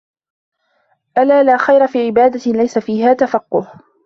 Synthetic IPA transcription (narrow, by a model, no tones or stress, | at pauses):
ʔalaːlaːxajɾˤafiːʕɪbaːd̪alajsafiːɦaːt̪afɑqːʊh